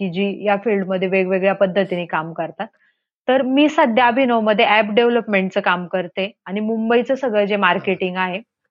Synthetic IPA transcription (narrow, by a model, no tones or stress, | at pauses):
kid͡ʑiːjafilɖməd̪ʱːjeʋeɡʋeɡɭjapəd̪ʱːət̪iniːkamkəɾt̪at̪ː | əɾmiːsəd̪ʱjabʱinəwməd̪ʱːjeæpɖeʋləpmeɳʈt͡səːkamkəɾt̪eaɽ̃imumbəit͡səsəɡɭəd͡zemaɾkeʈiŋɡaɦe